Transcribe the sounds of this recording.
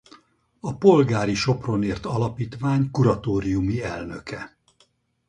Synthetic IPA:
ɒpo̞lɡaːɾiʃo̞pro̞neːrt̪ɒlɒpiːt̪ʋaːɲkuɾɒt̪oːɾijumiɛlnøkɛ

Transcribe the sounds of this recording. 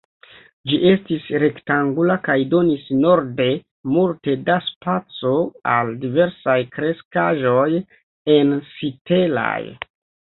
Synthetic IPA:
d͡ʒiʔe̞stisɾe̞ktaŋɡulakajdo̞nisno̞ɾde̞ | multe̞daspat͡so̞aldive̞ɾsajkɾe̞skaʒo̞j | e̞nsite̞la̰j

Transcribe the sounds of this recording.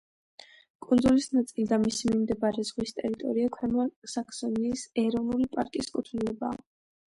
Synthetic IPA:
kʼund̪zulisnat̪sʼilid̪amisimimd̪ɛbaɾɛzʁwist̪ʼɛɾit̪ʼɔɾiakʰwɛmɔsakʰsɔniːsɛɾɔvnulipʼaɾkʼiskʼut̪ʰnlɛbaː

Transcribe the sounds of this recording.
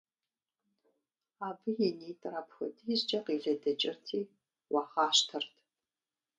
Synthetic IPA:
aːbɨjɛniːtʼrapxʷɐdʰʼjzd͡ʒʼɐqiːɮɐdɐt͡ʃʼɪrtʰiː | wɑːχaːʃtʰɐrtʰ

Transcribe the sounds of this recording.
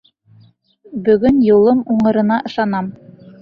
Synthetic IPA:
bɵ̆ɡɵnjulˠɤmuɴɤ̆ɾɤ̆nɑʔɤ̆ʃɑnɑm

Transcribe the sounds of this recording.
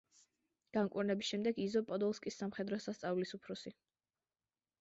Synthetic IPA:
ɡ̥aŋkʼḭɾnɛbisʃɛmd̪ɛɡizɔpʼɔd̪ɔlˠskʼisːamχɛd̪ɾɔsast̪sʼavlisupʰɾɔsi

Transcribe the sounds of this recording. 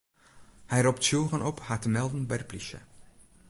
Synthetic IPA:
hɛjɾɔptʃoːʁənʔɔphaːtəmɛlˠdən̩bɛrpliʃə̰

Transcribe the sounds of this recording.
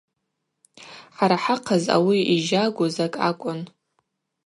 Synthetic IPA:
ħaɾaħaqʰaza̰wiiʒaɡʷʊzakʼa̰kʷʼʊn

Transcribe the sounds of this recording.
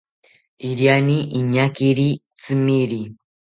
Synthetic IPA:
iɾjaniʔiɲakiɾi | t͡simiɾi

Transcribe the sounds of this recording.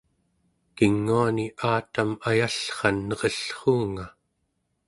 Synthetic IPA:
kiŋːuaniʔaːt̪amajaɬχɑnːʌʁʌɬχuːŋa

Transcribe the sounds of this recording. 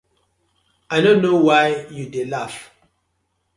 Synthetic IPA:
ajdõnːowaɪjudelaf

